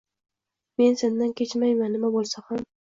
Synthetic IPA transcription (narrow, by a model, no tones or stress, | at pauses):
me̞nse̞nd̪ankʲʰe̞t͡ʃmajmanːɪmabolˠsaham